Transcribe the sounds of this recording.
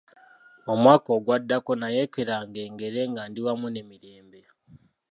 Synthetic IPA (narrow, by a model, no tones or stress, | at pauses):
omwaːkoɡwadːako̞najekeɾaːŋɡeːŋɡe̞ɾeŋɡaːndiwamune̞miɾeːmbe